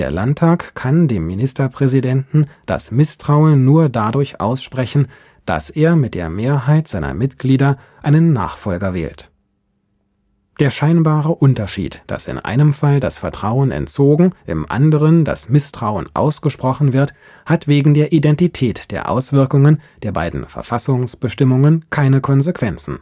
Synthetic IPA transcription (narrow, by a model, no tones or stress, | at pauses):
d̥eːɐlantʰːaːkkʰandeːmːinɪstɐpʁ̥ɛzidɛntn̩d̥a̰smɪstʁ̥aʊənːuːɐdadʊɐçʔa̰ʊsʃpʁ̥ɛçn̩ | d̥a̰seːɐmɪt̚d̥eːɐmeːɐɦaɪtz̥aɪnɐ̰mɪtɡ̥liːdɐ | ʔaɪnənːa̰ːχfɔlɡɐvɛ̰ːlt | d̥eːɐʃaɪnbaːʁəʔʊntɐʃḭːtd̥a̰sɪ̰nʔa̰ɪnəmfalda̰sfɛɐtʁ̥aʊənɛ̰nt͡soːɡŋ̩ʔɪ̰mʔa̰ndəʁənda̰smɪstʁ̥aʊə̰nʔa̰ʊsɡ̥əʃpʁ̥ɔχn̩vɪɐt | hatv̥eːɡŋ̩deːɐʔidɛntitʰɛːtd̥eːɐʔa̰ʊsv̥ɪɐkʊŋənd̥eːɐba̰ɪdn̩fɛ̰ɐfasʊŋsb̥əʃtɪmʊŋənkʰaɪnəkʰɔnzekv̥ɛnt͡sn̩